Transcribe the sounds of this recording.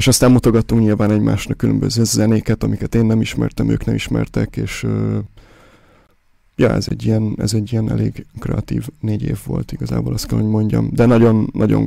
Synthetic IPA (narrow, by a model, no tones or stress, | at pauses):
eʃɒst̪aːmmut̪o̞ɡɒt̪ːuŋkɲilvaːnɛɟmaːʃnɒkːylø̰mbøzøːzɛneːkɛt̪ɒmikɛt̪eːnːɛmiʃmɛ̰rt̪ɛmø̰ːknɛmiʃmɛ̰rt̪ɛkeːʃøː | jɒɛ̰zɛ̰ɟːijɛnɛ̰zɛɟːijɛnɛ̰leːɡkrɛ̰ɒt̪iːvneːɟḛːvːo̞̰lt̪iɡɒza̰ːboːlɒst̪kɛlɦo̞ɟmo̞ɲɟɒ̰md̪ɛnɒɟo̞nːɒɟo̰ŋ